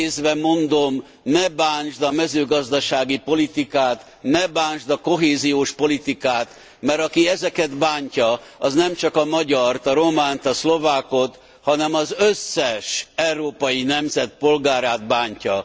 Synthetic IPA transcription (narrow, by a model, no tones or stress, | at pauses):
eːzvɛmo̞nd̪o̞m | nɛbaːnʒd̪ɒmɛzøːɡɒzd̪ɒʃaːɡipo̞lit̪ikaːt̪ | nɛbaːnʒd̪ɒko̞ɦeːzijoːʃpo̞lit̪ikaːt̪ | mɛɾɒkiɛzɛkɛd̪baːɲcɒɒznɛmt͡ʃɒkɒmɒɟɒrt̪ɒɾo̞maːnt̪ɒslo̞vaːko̞t̪ | hɒnɛmɒzøsːɛʃɛwɾoːpɒjinɛmzɛt̪̚po̞lɡaːɾaːd̪baːɲcɒ